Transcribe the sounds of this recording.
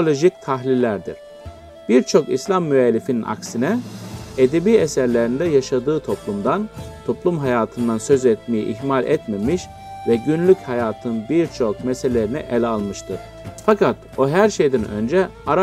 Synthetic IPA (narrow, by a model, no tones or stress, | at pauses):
olʲo̞ʒic̚t̪ʰaɦlʲilʲːæɾd̪ḭɾ̥ | b̥iɾt͡ʃʰo̞kḭslʲamːyɛlʲːifininʔa̰ksinɛed̪ebiːesæɾlʲeɾind̪ɛjaʃad̪ɯːt̪ʰo̞plˠumd̪ant̪ʰo̞plˠumɦajaːt̪ʰɯnd̪ansø̞zɛt̪̚mejḭʔihmalʲʔɛt̪memiʃ | vɛɟynlʲychajaːt̪ʰɯnbiɾt͡ʃʰo̞k̚mɛselʲeɾinɛ̰ʔɛlʲalˠmɯʃt̪ʰɯɾ̥ | fakʰat̪ | oɦæɾʃe̞jd̪ɛnø̞̰nd͡ʒɛaɾ